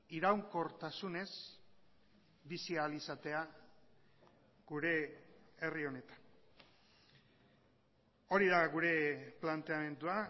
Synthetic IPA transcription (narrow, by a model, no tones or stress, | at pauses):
iɾawŋko̞ɾt̪asune̞s | βisialisat̪e̞a | ɡuɾe̞erio̞ne̞t̪ḁn | o̞ɾiðaɣuɾe̞plant̪e̞ame̞nd̪ua